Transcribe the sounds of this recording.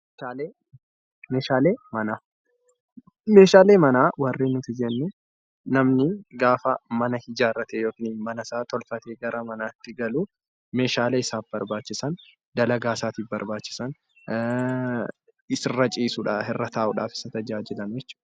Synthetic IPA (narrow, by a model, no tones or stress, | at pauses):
aːleː | meːʃaːleːmɐnaː | meːʃaːle̞ːmɐnaːwɐrːeːnːʊt̪ɪd͡ʒɛnːʊ | nɐmnɪɡaːfɐmɐnɐhɪd͡ʒaːrɐt̪eːjoːkɪniːnmɐnɐsaːt̪ɔlfɐt̪eːɡɐɾʔɐmɐnaːt̪ːɪɡɐluː | me̞ːʃaːleːɪsaːfbɐɾbaːt͡ʃːɪsɐn | d̪ɐlɐɡaːsaːt̪iːfbɐɾbaːt͡ʃːɪ̥sɐn | ɪsɪrɐt͡ʃʼiːsʊᶑahɛrːɐt̪ʰaːʔʊᶑaːfɪ̥sɐt̪ɐd͡ʒaːd͡ʒɪlɐnʊjɛt͡ʃːu̥ːᶑɐ